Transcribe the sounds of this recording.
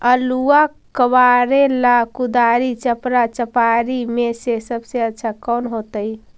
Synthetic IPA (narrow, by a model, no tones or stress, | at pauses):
əlua | kəbaɾelakud̪aɾit͡ʃəpɾat͡ʃəpaɾimesesəbseətːʃʰakɔnɦot̪əj